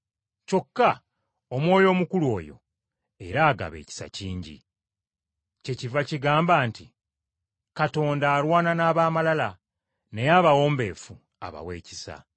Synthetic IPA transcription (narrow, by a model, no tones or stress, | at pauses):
co̞kːa | omwo̞ːjo̞ːmukulwo̞̰ːjo̞̰ | e̞̰ɾaːɡa̰βe̞̰ci̥sa̰ciːɲɟḭ | ce̞civaciɡaːmbaːnti | kato̞ːndaːɾwaːnanaːβaːmalala | nejaːβawo̞ːmbe̞ːfu | a̰βa̰weːcisa̰